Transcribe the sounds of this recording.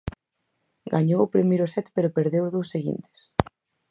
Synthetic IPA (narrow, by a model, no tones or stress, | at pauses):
ɡaɲowʊpɾimejɾʊsɛt̪peɾʊpeɾðewðowsːeɣḭnt̪e̥s